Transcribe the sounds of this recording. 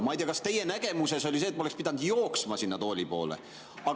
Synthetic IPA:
mɑjd̪ʲeːɑkɑst̪e̞je̞næɡe̞muse̞so̞liseːt̪̚mɑoekspid̪̥ɑnd̪̥joːksmɑsinːɑt̪o̞ːlʲipo̞̰ːlḛ | ɑ

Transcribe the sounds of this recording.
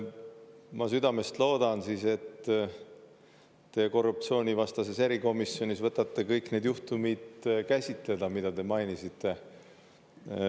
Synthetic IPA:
mɑsyd̪ɑme̞st̪lo̞ːd̪̥ɑnsise̞t̪ː | e̞ko̞rːup̚t͡ssio̞ːnʲivɑst̪ɑse̞se̞ɾiko̞misjo̞nʲisvɤt̪ːˑɑt̪ːˑekɤjkne̞d̪̥juht̪umid̪̥kæsʲit̪le̞d̪̥ɑmid̪ɑt̪e̞mɑjnisit̪ˑːe̞

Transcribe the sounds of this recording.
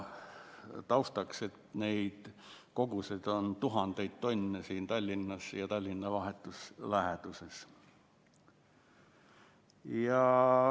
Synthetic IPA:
t̪ɑust̪ɑkse̞t̪neid̪̥ | ko̞ɡused̪̥ont̪uɦɑnd̪̥ejt̪t̪o̞nʲːesiːnt̪ɑlʲːinːɑsjɑt̪ɑlʲːinːɑʋɑɦet̪ːˑuslæɦet̪uses | jɑ

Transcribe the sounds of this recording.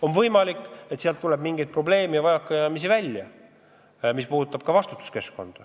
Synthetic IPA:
o̞nvɤjmɑlikːˑe̞t̪siɑlt̪ːulɛbmiŋɡ̥ejd̪̚pro̞ble̞ːmevɑjɑkːˑɑjɑmis̬ivælʲjɑ | mispuːd̪ut̪ːˑɑb̥̚kɑvɑst̪u̥t̪ːˑu̥ske̞sko̞nd̪̥ɑ

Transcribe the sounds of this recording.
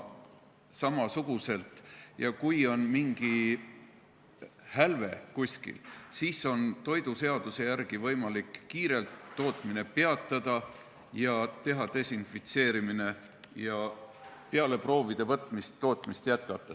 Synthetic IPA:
sɑmɑsuɡ̥use̞lt̪jɑkujo̞nmiŋɡ̥i | hælve̞̰kusʲkḭlsiːso̞nt̪o̞jd̪̥use̞ɑd̪̥use̞jærɡ̥ivɤjmɑlikːiːɾe̞lt̪ːo̞ːt̪ˑmine̞peɑt̪ˑːɑd̪̥ɑ | jɑt̪e̞ɦɑt̪e̞sinfit̪se̞ːɾimine̞ | jɑ | pe̞ɑle̞pro̞ːvid̪̥e̞vɤt̪ːˑmist̪ːo̞ːt̪ˑmist̪jæt̪kɑt̪ːˑɑ

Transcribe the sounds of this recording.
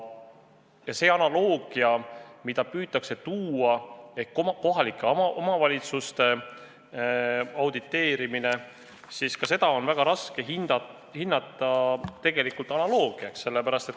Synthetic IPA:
jɑse̞ːɑnɑlo̞ːɡ̥iɑmid̪ɑpyːt̪ːˑɑkse̞t̪uːɑe̞hkːoko̞ɦɑlikːˑeɑomɑvɑlʲit̪sust̪e̞ | ɑwd̪̥it̪ːe̞ːɾimine̞ | siskɑse̞d̪ɑo̞nvæɡ̥ɑɾɑske̞ɦinɑ | hinːɑt̪ːˑɑt̪e̞ɡ̥e̞likult̪ˑɑnɑlo̞ːɡ̥iɑksse̞lːepæɾɑst̪e̞t̪

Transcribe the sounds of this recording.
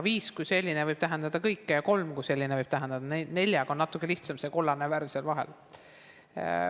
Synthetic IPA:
viːskujse̞lʲːinevɤjb̥̚t̪æɦend̪ɑd̪̥ɑkɤjkːejɑko̞lmkujse̞lʲːineɤjb̥t̪æɦend̪ɑd̪̥ɑnne̞lʲjɑɡo̞nːɑt̪ːˑukˑːe̞liht̪sɑmse̞ko̞lːɑneværselvɑɦe̞̰l

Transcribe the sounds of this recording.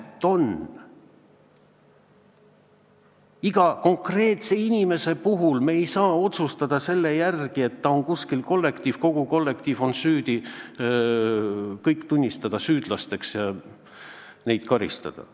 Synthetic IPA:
t̪ːˑo̞n | iɡ̥ɑko̞ŋkre̞ːt̪se̞inʲime̞se̞puɦulme̞ːjsɑːo̞t̪sust̪ɑd̪̥ɑse̞lːe̞jærɡ̥ie̞t̪ːɑo̞ŋkuskilko̞lːe̞kt̪iːv̥ko̞ɡ̥uko̞lːe̞k̚t̪iːvo̞nsyːd̪̥i | kɤjkt̪unʲːist̪ɑd̪̥ɑsyːd̪̥lɑst̪e̞ksjɑ | ne̞jd̪̥kɑɾḭst̪ɑ̰d̪̥ɑ̰

